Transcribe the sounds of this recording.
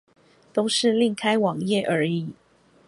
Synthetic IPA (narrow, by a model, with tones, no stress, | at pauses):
t̪o˥ʊʂɻ̩˥˨li˥˩ŋkʰa˥ɪwɑ˨˩ŋjɛ˥˩ʔə˞˨˧˥i˨˩˦